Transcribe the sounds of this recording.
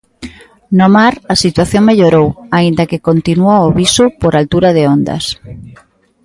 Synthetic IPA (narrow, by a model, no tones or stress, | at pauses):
nomaɾɐsit̪waθjoŋmeʎoɾowaind̪ɐkekont̪inuaoβisʊpoɾalt̪uɾɐðɪond̪ɐ̰s